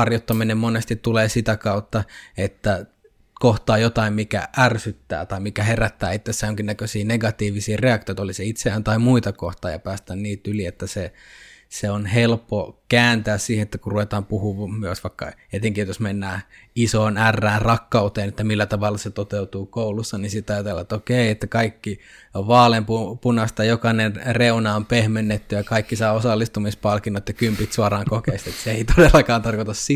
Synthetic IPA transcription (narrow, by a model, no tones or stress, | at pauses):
ɑrjot̪ːɑminemmonest̪it̪ːuleːsit̪ækɑut̪ːɑet̪ːæ | koht̪ɑːjot̪ɑimmikæ̰ʔærsyt̪ːæ̰ːt̪ɑimikæheræt̪ːæ̰ːit̪ːesːæjoŋkinækøsiːneɡɑt̪iːʋisiːreɑkt̪iojt̪ɑoliseit̪seæːnt̪ɑimuit̪ɑkoht̪ɑːjɑ̰pæːst̪ænniːt̪yliet̪ːæse | seonhelpːokæːnt̪æːssiːhenet̪ːækurruʋet̪ɑːmpuhuʋmmyøsʋɑikːɑ̰et̪eŋkiot̪josmenːæː | isoːnærːæːrɑkːɑut̪eːnet̪ːæmilːæt̪ɑʋɑlːɑset̪ot̪eut̪uːkoulusːɑninsit̪ɑjɑt̪elːɑt̪ːokeiet̪ːækɑikːiʋɑːlempupunɑst̪ɑjokɑnenreunɑompehmenːet̪ːyjɑkɑikːisɑːosɑlːist̪umispɑlkinːot̪jɑkympit̪suɑrɑːŋkokeist̪et̪seeit̪odelːɑkɑːnt̪ɑrkot̪ɑssi